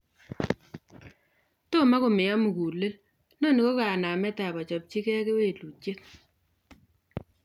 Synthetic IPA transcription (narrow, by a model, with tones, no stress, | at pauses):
to˦˨ma˦ko˨mɪ˨ja˦mu˨ku˨le˦l | no˦˨ni˨ko˦ka˨na˨mɛ˦ta˨ba˨t͡ʃɔ˨p̚t͡ʃi˦kɛ˦ke˦we˦˨lu˨t͡ʃe˦t̚